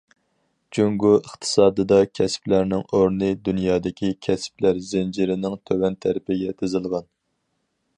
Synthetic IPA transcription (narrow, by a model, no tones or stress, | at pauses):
d͡ʒuŋɡuəχt̪ʰɨ̥sɑːd̪ɨd̪ɑkʲʰɛsplæɾnɪŋoɾnɨd̪unjɑːd̪ɪkʲikʲʰɛsplæɾzɪnd͡ʒiɾɪnɪŋt̪ʰøwɛnt̪ʰæɾɪpɪɡʲɛt̪ʲɪzɨlˠʁɑn